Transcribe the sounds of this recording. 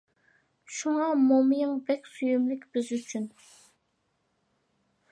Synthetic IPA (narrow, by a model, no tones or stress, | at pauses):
ʃuŋɑmomjɨŋbɛkʲsujymlɪkʲbɪzyt͡ʃʰyn